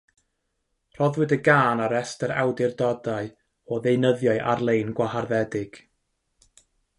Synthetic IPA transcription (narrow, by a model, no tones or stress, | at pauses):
r̥ɔðwɪdəɡaːnaɾɛstəɾa̰wdɪrdɔdaɨ | ɔðejnəðjɔɨʔarlˠejnɡwaharðɛdɪɡ̥